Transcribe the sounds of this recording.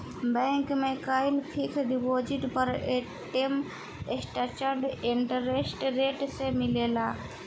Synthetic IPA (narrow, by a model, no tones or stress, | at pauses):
bɛ̃ːŋkmẽkaːɪlpʰikʰɖipoːd͡ʒɪʈpəɾe | ʈem | esʈat͡ʃəɾɖɪɳʈəɾesʈɾeːʈsemɪleːlaː